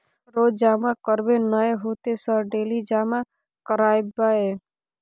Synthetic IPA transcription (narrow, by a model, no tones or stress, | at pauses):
ɾoːd͡ʒaːmãkəɾbenəeɦoːt̪esəɾɖeːlid͡ʒaːmã | kəɾaːjbae